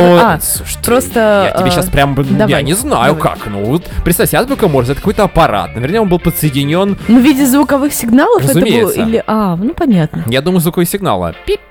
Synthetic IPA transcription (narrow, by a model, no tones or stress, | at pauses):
oa | uʂt̪pɾo̞st̪əaɪeeɕːaspɾʲamd̪aja̰nʲɪzna̰jʊka̰knovot̪pɾʲɪt̪savʲjʲsʲazbʲʊkɐmorzɛt̪kojt̪əɐpɐɾa̰t̪̚nəvʲernʲəkonbɨlˠpət̪səjɪdʲɪnʲo̞nnovʲidʲɪzvʊkɐvɨxsʲɪɡnalˠərfəɛtzʊməmelˠilʲɪʔanupɐnʲat̪nəjad̪uməjʊzvʊkɐvɨsʲɪɡna̰lˠə̰pʲi